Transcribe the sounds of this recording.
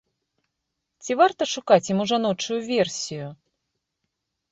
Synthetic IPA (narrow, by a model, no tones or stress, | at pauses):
t͡sʲivart̪ɐʂukat͡sʲjimuʐanɔt͡ʂujuvʲɛrsʲiju